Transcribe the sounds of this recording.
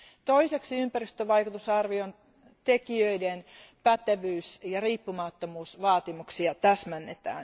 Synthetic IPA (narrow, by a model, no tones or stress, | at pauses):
t̪oiseksiympærist̪øʋɑikut̪usɑrʋion | t̪ekiøidenpæt̪eʋyːsjɑriːpːumɑt̪ːomuːsʋɑːt̪imuksiɑt̪æsmænːet̪æ̰ːn